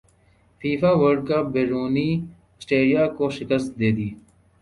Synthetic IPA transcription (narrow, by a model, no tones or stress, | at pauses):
fiːfaːʋəɾɖ̚kabeːɾuːniː | sʈeːɖijaːkoʃɪkəst̪̚d̪eːd̪iː